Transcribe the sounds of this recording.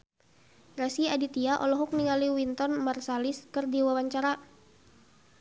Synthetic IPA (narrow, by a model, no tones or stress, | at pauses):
rasiadit̪iaʔɔlɔɦɔk̚niŋaliwint̪ɔnmarsaliskɨrdiwawaɲt͡ʃaɾa